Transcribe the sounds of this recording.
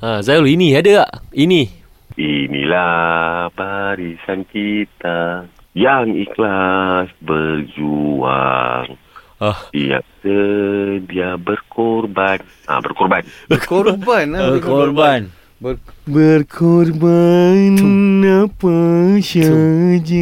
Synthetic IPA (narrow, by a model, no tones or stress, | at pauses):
azajəlinĩadəaʔini | inḭla | baɾisankit̪a | jaŋiklasbərd͡ʒua̰ŋ | ahija̰k̚tədiabərkʰɔrban | a̰bərkɔrbanbkorbanəkorban | bərkʰɔrbanapəʃəd͡ʒi